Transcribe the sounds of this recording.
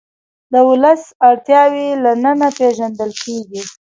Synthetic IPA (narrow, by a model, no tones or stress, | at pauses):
d̪əʊləsaɽt̪jɑwelanənapeʒand̪əlkeɡi